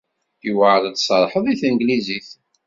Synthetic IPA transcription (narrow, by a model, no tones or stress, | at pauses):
iwəʕlət̪ːsˤəɾˤħəðˤiθənɡliziθ